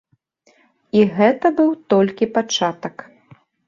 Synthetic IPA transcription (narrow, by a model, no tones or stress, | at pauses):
iɣɛt̪ɐbɨwt̪ɔlʲkʲipat͡ʂat̪ɐk